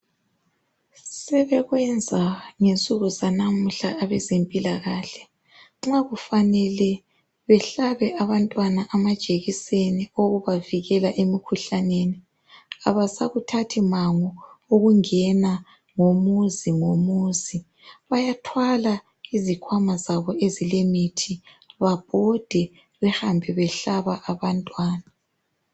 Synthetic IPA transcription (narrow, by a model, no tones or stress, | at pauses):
sɛβɛɣwɛnd͡zʱaŋent͡sʼuɣuzanamuɬaːβɛzempʼilaɣaɬɛ̥ | ŋ͡ǁaɣufanɛlɛ | βɛɬaβɛʔaβantʼwanaʔamad̥ʒ̥ʼʱeɣisenioɣuβaviɣɛlaʔemikʰuɬaneni | aβasaɣutʰatʰimaŋɔoɣuŋɛna | ŋomuziŋomuzi | βajatʰwala | izikʰwamazaβɔezilemitʰi | βab̥ʱɔd̥ʱɛ | βɛhambʱɛβɛɬaβaʔaβantʼwaːna